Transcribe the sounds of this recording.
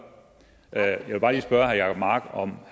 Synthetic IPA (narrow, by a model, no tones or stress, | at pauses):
ʔøjɑɪʋe̝b̥ɑ̈ːliːsb̥ɶɐɦæjɑ̥mɑ̈ːɡ̥ɒ̽mh